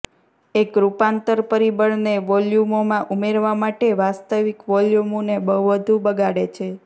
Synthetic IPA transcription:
ekɾupãnt̪əɾpəɾibəɽneʋɔljumomãʔumeɾʋamaʈeʋast̪əʋikʋɔljumonebəɦuʋəd̪ʱũbəɡaɽet͡ʃʰe

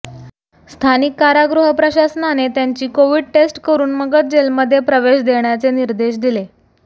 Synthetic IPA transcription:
st̪ʰanikːaɾaɡɾuɦəpɾəɕasnanet̪jaɲt͡ɕiːkoʋiːɖ̚ʈesʈkəɾuːnməɡət̪̚d͡ʑelməd̪ʱːjepɾəʋeɕd̪eɳjat͡seniɾd̪eɕ̬d̪ile

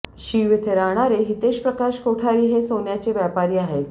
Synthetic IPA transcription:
ɕiʋet̪ʰeɾaɳ̃aɾeɦit̪eɕpɾəkaɕkoʈʰaɾiːɦesonjat͡ɕeʋjapaɾiːaɦet̪

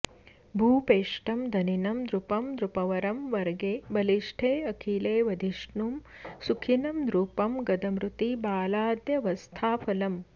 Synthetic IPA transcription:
bʱuːpeːʂʈɐmd̪ʱɐninɐmd̪ɾupɐmd̪ɾupɐʋɐɾɐmʋɐɾɡeːbɐliʂʈʰeːɐkʰiːleːʋɐd̪ʱiʂɳuːm | sukʰinɐmd̪ɾuːpɐmɡɐd̪ɐmɾut̪ibaːlaːd̪jɐʋɐst̪ʰaːpʰɐlɐm

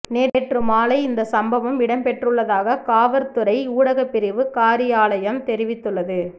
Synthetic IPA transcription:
neːɾeːʈrɯmaːlɐɪɪnd̪ɐsɐmbɐʋɐmɪɽɐmpɛʈrɯɭːɐðaːɣɐkaːʋɐɾt̪ɯɾɐɪuːɽɐɣɐpːɪɾɪʋɯkaːɾɪjaːlɐjɐmt̪ɛɾɪʋɪt̪ːɯɭːɐðɯ

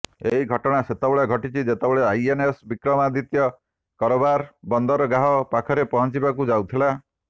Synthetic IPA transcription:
eɦiɡʱɔʈɔɽ̃aset̪ɔbɔɭeɡʱɔʈit͡ʃʰid͡ʒet̪ebeɭeajenesbikɾɔmad̪it̪jɔ | kɔɾɔbaɾbɔnd̪ɔɾɔɡaɦɔpakʰɔɾepɔɦɔnt͡ʃibakud͡ʒawt̪ʰila

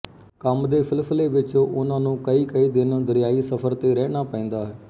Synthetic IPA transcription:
kəmd̪eːpʰɪlsleːʋɪt͡ʃoːʔʊnãːnũːkəiːkəiːd̪ɪnd̪əɾɪjaːiːsəpʰəɾt̪eːɾɛːnaːpɛ̃ːnd̪aːɦɛː

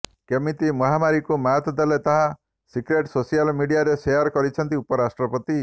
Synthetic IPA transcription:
kemit̪imɔɦamaɾikumat̪d̪elet̪aɦa | sikɾeʈsosijalmiɽiaɾesejɔɾkɔɾit͡ʃʰɔnt̪iupɔɾasʈɾɔpɔt̪i

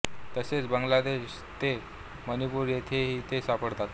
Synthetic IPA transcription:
t̪əset͡sbəŋɡlad̪eɕ | t̪e | mənipuːɾjet̪ʰeɦiːt̪esapəɽt̪at̪

